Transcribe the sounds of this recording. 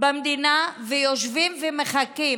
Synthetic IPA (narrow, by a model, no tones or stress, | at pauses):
bamd̪inavejoʃvimvemeχaki